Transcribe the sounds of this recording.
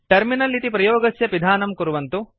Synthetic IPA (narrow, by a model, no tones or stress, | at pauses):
ʈɐɾminɐlit̪ipɾɐjoːɡɐsjɐpid̪ʱaːnɐmkuɾuʋɐnt̪u